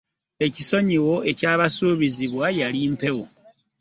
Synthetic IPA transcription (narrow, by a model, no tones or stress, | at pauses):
e̞ciso̞ɲiwo̞e̞caːβasuːβiziβwajaliːmpe̞wo